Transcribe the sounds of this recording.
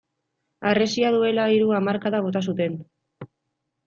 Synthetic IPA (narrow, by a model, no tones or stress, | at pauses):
are̞siaðue̞laiɾuamaɾkaðaβo̞t̪as̬ut̪e̞n